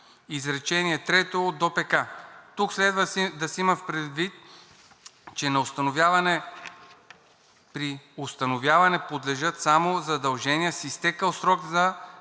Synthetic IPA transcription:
izɾɛt͡ʃɛniɛt̪ɾɛt̪ood̪opɛkat̪ukslɛd̪vəd̪ɐsiimɐfpɾɛd̪vit̪̚ | t͡ʃɛnɐost̪ɐnovjavɐnɛ | pɾiost̪ɐnovjavɐnɛpod̪lɛʒɤt̪samozɐd̪ɐlˠʒɛnijəsist̪ɛkəlˠsɾɔɡzɐ

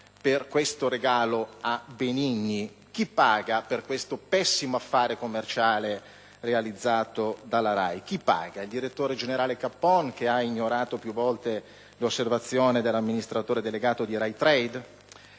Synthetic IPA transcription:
perkwest̪oɾeɡaːloabeniɲːi | k̟ipːaːɡaperkwest̪opɛsːimoafːaːɾekomːert͡ʃaːle | realid̪zːaːt̪od̪alːaɾajk̟ipːa̰ːɡaild̪iɾet̪ːoːɾed͡ʒeneɾaːlekapːɔnkeaiɲːoɾaːt̪opjuvːɔlt̪e | losːervat̪sːjoːned̪elːamːinist̪ɾat̪oːɾed̪eleɡaːt̪od̪iɾajt̪ɾɛjd̪

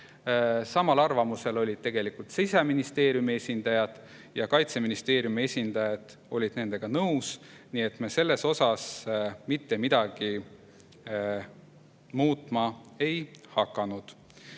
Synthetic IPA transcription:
sɑmɑlɑrvɑmuse̞lo̞lʲid̪̥̚t̪e̞ɡ̥e̞likult̪sejseminist̪e̞ːɾjumie̞sʲind̪̥ɑjɑd̪̥ | jɑkɑjt̪se̞minist̪e̞ːɾjumie̞sʲind̪̥ɑjɑd̪̥ | o̞lʲid̪̥ne̞ne̞ɡ̥ɑnɤws | nie̞t̪ˑmese̞lːe̞so̞sɑsmit̪ːe̞mid̪̥ɑɡ̥i | muːt̪ˑmɑe̞jhɑkˑːɑnud̪̥

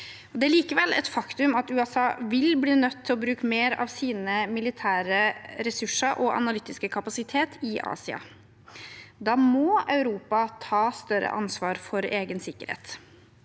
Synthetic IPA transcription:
ɔd̪ɛæɭiːkəʋɛlːʔɛ̰t̪fɑkt̪ʉmɑt̪ʉːɛsɑːʋɪlbliːnœt̪ʰːɪlɔbɾʉːkəmeːɾɑ̰ʋsiːnəmɪlɪt̪ʰæːɾəɾɛsʉʂəɾʔɔʔɑ̰nɑlʏt̪ːɪskəkʰɑpɑsɪt̪ʰeːt̪ʰɪʔɑ̰ːsɪɑ̰ | d̪ɑːmɔɑʉɾuːpɑt̪ʰɑːst̪œɾə̰ʔɑnsʋɑːɾfɔɾeːɡənsɪkːəɾhḛːt̪

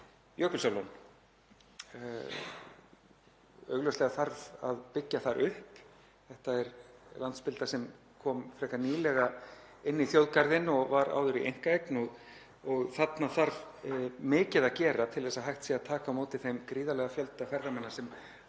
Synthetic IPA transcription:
jœkʏlsalɔn | œ̰ɥɣlœɥst̪lɛɣaθaɾða̰ðpɪcːaθaɾʔʏhp | θɛht̪aɛɾlant̪spɪlt̪asɛm | kʰɔːmfɾɛkaniːlɛɣaɪnːiθjowðkaɾðɪnɔɣvaɾa̰ːwðʏɾiʔḛjŋ̥kaejknɔɣ | ɔɣθat̪naθaɾvmɪːcɪðacɛːɾat̪ʰɪlɛsːaɦajht̪siaðt̪ʰaːkamoːwt̪ɪθejmkɾiːðalɛɣafjœlt̪afɛɾðamɛnːasɛm

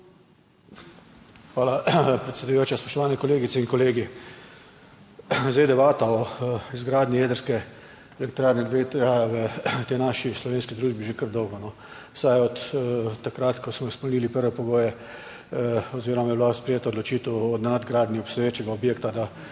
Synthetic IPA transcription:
xʋaːlapɾɛt̪sed̪ujoːt͡ʃjaspɔʃt̪ɔʋaːnɛkɔleːɡit̪sɛinkɔleːɡi | zejd̪ɛbaːt̪aɔizɡɾaːd̪nʲijeːd̪əɾskɛ | ɛlɛkt̪ɾaːɾnɛd̪et̪ɾajʋət̪ɛjnaʃislɔʋeːnskid̪ɾuːʒbiʒekəɾd̪ɔwɡɔnɔ | sajɔt̪ːakɾat̪kɔsmɔspɛmniːlipəɾʋɛpɔɡoːjɛ | ɔziːɾɔmajɛblaspɾɛjeːt̪aɔd̪lɔt͡ʃiːt̪ɛwɔd̪nad̪ɡɾaːd̪nʲiɔsɛʋet͡ʃɛɡaɔbjeːkt̪ad̪a

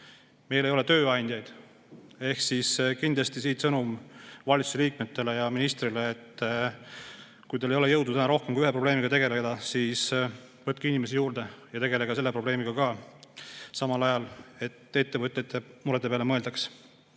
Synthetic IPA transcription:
me̞jle̞jole̞t̪ø̞ːɑjnʲd̪̥ʲjɑjd̪̥ | e̞hksiskind̪̥lɑst̪isiːt̪sɤnumvɑlʲt̪su̥seliːk̚met̪ːe̞le̞jɑminist̪rileːt̪ː | kujt̪ɑle̞jo̞le̞jɤ̞wd̪ut̪ænɑɾo̞hkemkujyɦepɾro̞ble̞ːmiɡ̥ɑt̪eɡe̞led̪̥ɑsiːs | vɤt̪̚kiinimesijuːɾd̪̥e̞jɑt̪e̞ɡeleɡ̥ɑse̞lːepɾro̞b̥le̞ːmiɡ̥ɑkɑ | sɑmɑlɑjɑle̞t̪ːˑe̞t̪ːe̞vɤt̪ʲːˑjɑt̪ːˑe̞muɾet̪epeɑlemɤeld̪ɑks

